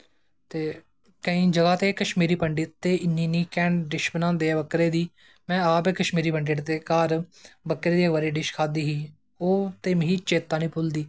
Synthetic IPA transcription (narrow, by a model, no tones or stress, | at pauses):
t̪eː | kəĩːd͡ʒəɡaːt̪eːkəʃmiːɾiːpəɳɖɪt̪ːeːɪnːiːniːkɛːɳɖɪʃbənãːnd̪eːaːbəkɾeːd̪iː | mɛ̃ːaːpeːkəʃmiːɾiːpəɳɖɪʈd̪eːkaːɾbəkɾeːd̪iːkʋəɾeːɖɪʃkʰaːd̪iːɦiː | oːt̪eːmɦiːt͡ʃeːt̪ːaːnĩːpʊld̪iː